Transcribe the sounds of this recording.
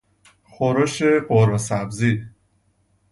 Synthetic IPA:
xoɾoʃeɢoɾosæbzi

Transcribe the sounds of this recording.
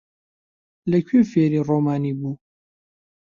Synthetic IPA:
lɐkʰyːfeːɾiːroːmaːniːbuː

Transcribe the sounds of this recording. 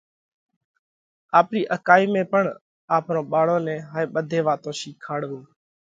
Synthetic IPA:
aːpɾiːʔəkaːiːmẽːpəɳ | aːpɾõːɓaːɽõːnɛ̃ːɦaːeːɓəd̪ʱeːʋaːt̪õːʃiːkʰaːɽʋũː

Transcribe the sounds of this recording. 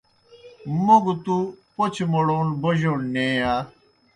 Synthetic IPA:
moɡt̪upot͡ɕʰmoɽoːnboʑoɽnẽːaː

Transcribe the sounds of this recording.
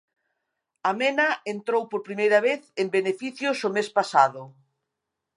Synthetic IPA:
amenaent̪ɾowpoɾpɾimejɾɐβeθembenefiθjʊsomespasaðʊ

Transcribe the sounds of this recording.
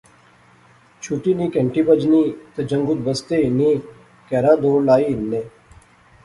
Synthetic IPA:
t͡ʃʰuːʈiːniːkẽɳʈiːbəd͡ʒniːt̪ed͡ʒəŋɡʊd̪bəst̪eːniː | kɛːɾaːd̪oːɾlaːiːɪnːeː

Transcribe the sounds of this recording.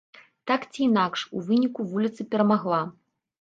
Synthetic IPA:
t̪akt͡sʲiːnakʂuvɨnʲikuvulʲit̪sɨpʲɛɾɐmaɣlˠa

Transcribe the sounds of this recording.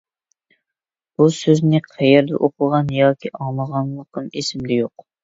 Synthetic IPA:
b̥usøznɪqʰæjeɾd̪ɛ̰ʔoqʰʊʁɑnjɑːkʲʰiʔɑŋlˠəʁɑnlˠəq̚ənesɪmd̪ɛjoq

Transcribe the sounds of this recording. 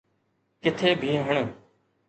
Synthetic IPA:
kɪt̪ʰeːbʱiːɦəɳ̃

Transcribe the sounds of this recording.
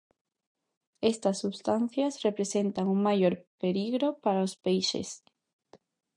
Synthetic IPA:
est̪ɐsːuβst̪an̟θjasrepɾesent̪aŋuŋmajoɾpeliɣɾopaɾaospejʃḛs

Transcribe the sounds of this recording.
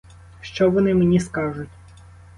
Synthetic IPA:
ʃt͡ʃɔʋɔnɪmenʲiskɑʒʊtʲ

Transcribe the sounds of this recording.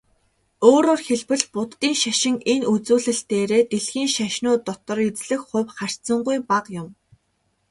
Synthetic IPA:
oːɾoːrxeɮpɘ̆ɮpʊt̪ːiːŋʃaʃɪ̆ŋenut͡suːɮɘ̆ɬt̪eːɾeːt̪eɮxiːŋʃaʃnʊːt̪ɔt̪ɞ̆rit͡sɮɘ̆xχʊ̟wχar̥t͡sə̆ɴɢujpaqjʊm

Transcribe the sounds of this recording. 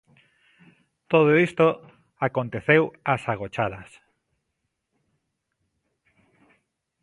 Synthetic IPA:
t̪oð̞oist̪o | akont̪eθewasaɣ̞ot͡ʃaðɐs

